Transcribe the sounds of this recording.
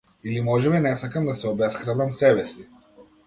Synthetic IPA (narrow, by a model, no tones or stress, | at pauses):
ilimɔʒɛmɛnɛsakamd̪asɛobɛsxɾad̪amsɛbɛsi